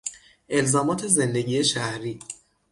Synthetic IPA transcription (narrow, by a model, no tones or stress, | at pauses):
ʔe̞lzɒːmɒːt̪ʰe̞ze̞nd̪e̞ɟiːe̞ʃæhɾiː